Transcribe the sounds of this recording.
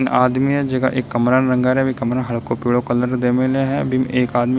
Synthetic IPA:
nʔaːd̪miɛd͡ʒɐɡaʔeːkːɐmɾaːnɾɐ̃ŋɡaɾɛbʱikɐmɾaɦɐɭkopiːɭokɐləɾd̪eːmɪleɦɛ̃bʱimeːkaːd̪mi

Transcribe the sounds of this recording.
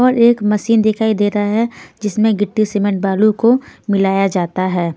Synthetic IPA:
ɔːɾeːkmɐʃiːnd̪ɪkʰaːid̪eːɾaɦɛd͡ʒɪsmẽɡɪʈːiseːmẽɳʈ̚baːlukomɪlaːjad͡ʒaːt̪aɦɛː

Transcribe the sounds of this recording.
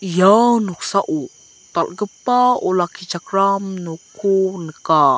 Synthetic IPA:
jawnuksaʔu | t̪alɡəpːaɔlakʰit͡ʃakɾamnokʰonəka

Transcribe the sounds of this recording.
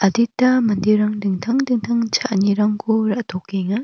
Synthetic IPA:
ɐditamandiɾaŋdɯŋtʰaŋdɯŋtʰaŋt͡ʃʰaʔɲiɾaŋkʰuɾaʔtʰɔkːeŋa

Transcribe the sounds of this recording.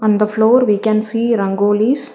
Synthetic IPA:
ɔ̃ːnd̪əfloːɾʋiːkɛ̃nsiːɾɐ̃ŋɡoːlis

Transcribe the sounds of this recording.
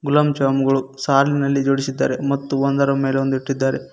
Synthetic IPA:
ɡulɐmd͡ʒaːmuɡɐɭusaːlinɐlːid͡ʒoːɽisid̪ːa̰ːɾe̞mɐt̪ːuond̪ɐɾɐmeːleond̪uiʈːid̪ːaːɾe

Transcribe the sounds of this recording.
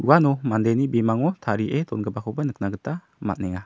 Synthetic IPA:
uwanɔmandajnibimaŋɔt̪ʰaɾiʔet̪ɔnɡəbakʰɔbanɯk̚naɡɯta | ma̰t̪̚nɛŋa

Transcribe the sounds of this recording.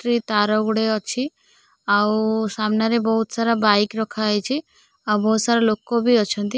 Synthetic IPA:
ɾit̪aɾɔɡɽeɔt͡ʃʰi | ausamnaɾebɔɦut̪saɾabaikɾɔkʰajt͡ʃʰi | awbɔɦut̪saɾalokobʱiɔt͡ʃʰɔnt̪i

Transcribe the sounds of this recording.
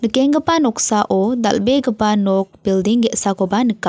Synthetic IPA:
nəkɛŋɡəpanɔksaʔɔd̪a̰lbɛɡəpanɔk̚b̥ildiŋɡɛʔsakobanəka

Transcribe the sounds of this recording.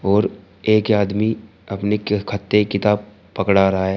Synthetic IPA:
ɔːɾ | eːkaːd̪mi | ɐpnekʰɐt̪ːekɪt̪aːb | pɐkɽaɾɐɦaɦɛ

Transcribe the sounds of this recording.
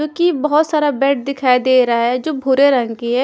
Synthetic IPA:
õːkibɐɦʊt̪saːɾabɛːʈ̚d̪ɪkʰaːid̪eːɾaɦɛd͡ʒoːbʱʊɾeɾə̃ŋɡkiɦɛ

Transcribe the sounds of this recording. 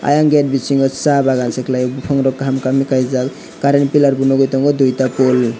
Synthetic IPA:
a̰jaŋɡet̚bisiŋɡɔsabaɡansɛklajɔbupʰaŋɾɔkːɦamkamikajzak | kaɾenpilaɾbunɔɡɔjtɔŋɡɔdujtapɔl

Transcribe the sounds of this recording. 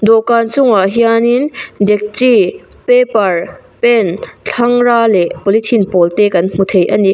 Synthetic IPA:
d̪ɔkant͡sʊŋaɦijanind̪ɛk̚t͡si | pepɐrpɛnt͡ɬʰɐŋraːlɛʔpɔlit̪ʰinpɔlt̪ekɐnm̥ut̪ʰejʔɐni

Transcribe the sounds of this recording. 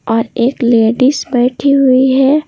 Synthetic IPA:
ɔːɾeːkleːɖisbɛːʈʰiɦʊiɦɛː

